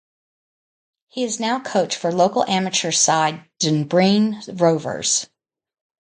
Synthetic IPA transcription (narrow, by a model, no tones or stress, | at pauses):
hiɨznaʊkʰoʊt͡ʃfə˞loʊkl̩ˠʔæmɨt͡ʃə˞saɪd̚d̥ɨ̃nbɹĩnɹoʊvə̰˞z̥